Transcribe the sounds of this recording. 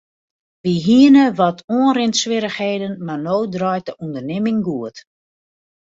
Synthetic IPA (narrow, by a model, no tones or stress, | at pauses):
ʋiɦiənəʋɔtʰoənrɪntsʋɪɾəxheːdənmanowdrɔjt̚əʔundərnɪmɪŋɡuət